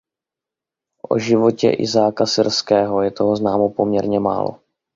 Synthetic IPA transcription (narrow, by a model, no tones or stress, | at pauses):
ʔo̰ʒɪvo̞cɛ̰ʔɪ̰zaːkasɪɾskɛːɦo̞jɛt̪oɦoznaːmopo̞mɲɛɾɲɛma̰ːlo̞̰